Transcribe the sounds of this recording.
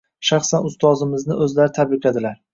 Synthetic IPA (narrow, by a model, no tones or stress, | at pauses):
ʃaχsanʊst̪ʰɒzɪmɪznɪʔɵzlaɾɪt̪ʰabɪqʰad̪ɪlaɾ